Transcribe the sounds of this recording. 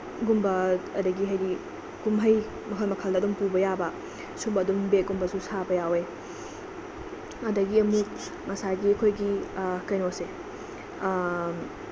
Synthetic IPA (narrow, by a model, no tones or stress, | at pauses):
ɡumbɐɐdɐɡiɦɐjdi | kumɦɐj | mɐkʰɐlmɐkʰɐldɐdumpubɐjabɐ | subɐɐdumbeɡumbɐsusabɐjawe | ɐdɐɡiɐmuk̚ | mɐsaɡiɐkʰojɡikɐjnose